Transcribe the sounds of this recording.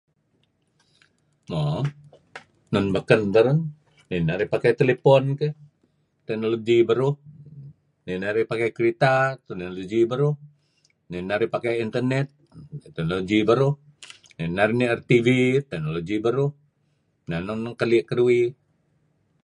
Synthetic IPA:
mɔ | nɔnbakənt̪aɾunː | inaɾihpakɛt̪elepɔnkɛ | t̪ɛk̚noloɡibəɾuh | ninaɾipakɛkɾit̪at̪ɛknoloɡibəɾuh | ninaɾipakɛint̪ərnɛt̪̚t̪ɛk̚noloɡibəɾuh | ninaɾiniɛrt̪ivit̪ɛk̚noloɡibəɾuh | nanɔnkaliʔkəruwi

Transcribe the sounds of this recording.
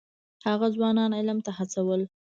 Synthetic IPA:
haɣazwɑnɑnɪlmt̪ahat͡sawəl

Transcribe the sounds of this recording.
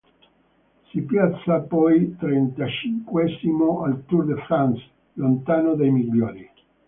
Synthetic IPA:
sipjat̪sːapɔjt̪ɾɛnt̪at͡ʃiŋkwɛzimoalt̪urd̪efɾans | lont̪aːnod̪ajmiʎːoːni

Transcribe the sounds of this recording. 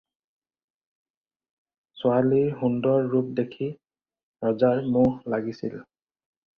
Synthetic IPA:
sʊaliɹhundɔɹːup̚dekʰi | ɹɔzaɹmʊhlaɡisḭl

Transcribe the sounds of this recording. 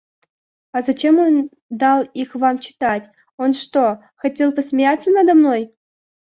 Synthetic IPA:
azɐt͡ɕemo̞n | d̪ɑlˠixvamt͡ɕɪ̥t̪atʲ | onʂt̪o | xɐtʲe̞lˠpəsmʲɪjat̪t͡sːənad̪ɐmnoj

